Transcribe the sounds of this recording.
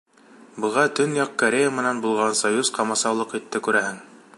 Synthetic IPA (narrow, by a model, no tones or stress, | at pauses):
bɤ̆ʁɑt̪ɵnjɑqkɐɾʲejamɘ̆nænbulˠʁɑnsɐjuz̥qɑmɑsɑwlˠɤqit̪ːɘkʉɾæhɘŋ